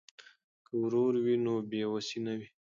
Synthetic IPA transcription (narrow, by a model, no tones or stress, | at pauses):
kəwɾoɾwinobewasinawi